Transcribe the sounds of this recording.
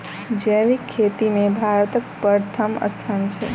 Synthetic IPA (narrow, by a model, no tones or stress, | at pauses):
d͡ʒəːʋikʰːeːt̪imẽbʱaːɾt̪əkpəɾt̪ʰəmə̰st̪ʰant͡ʃʰḛ